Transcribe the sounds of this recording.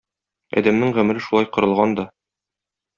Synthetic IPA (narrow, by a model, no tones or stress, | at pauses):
ɒ̰d̪æmnɘŋʁɵ̆mɘ̆ɾɘʃulˠɑjqŏɾɤ̆lˠʁɑnd̪ɒ